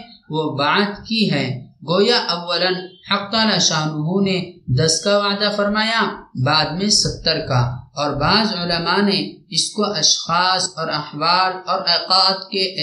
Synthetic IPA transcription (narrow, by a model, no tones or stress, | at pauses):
ʋobaːd̪kiɦɛːɡoːjaʔɐʋːələnhɐqt̪alɐʃaːnuɦõned̪ɐskaʋaːd̪afɐɾmaːjabaːd̪mẽsɐpt̪əɾkaɔːɾbaːzʊləmaneɪskoʔɐʃxaːsɔːɾɐhwaːlɔːɾɛːqaːt̪keʔ